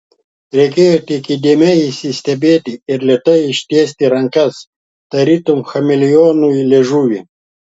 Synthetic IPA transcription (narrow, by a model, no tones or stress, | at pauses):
ɾʲekʲeːjot̪ikid̪ʲemʲeisisʲt̪ʲɛbʲeːt̪iɪɾlʲet̪ɐjʃt̪ʲeːs̬ʲt̪ʲiɾɐŋkɐs | t̪ɐɾit̪umxɐmɪlʲijoːnujlʲeʒuːʋi